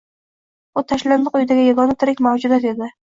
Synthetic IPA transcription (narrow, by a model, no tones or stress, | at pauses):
ʊt̪ʰaʃland̪ɨqʊjd̪aɡʲɪjaɡɒnɪt̪ʰɪɾɪkʲmawd͡ʒʊd̪at̪e̞d̪ɪ